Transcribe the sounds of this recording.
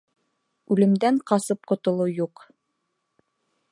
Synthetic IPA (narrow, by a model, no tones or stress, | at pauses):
ʉlɘ̆md̪æɴqɑsɤp̚qŏt̪ŏlˠɤjuq